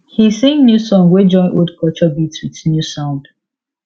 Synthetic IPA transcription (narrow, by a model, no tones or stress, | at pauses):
hisẽŋnjusɔ̃ŋwed͡ʒɔ̃nʔoldkɔt͡ʃɔbitswitnjusãʊ̃nd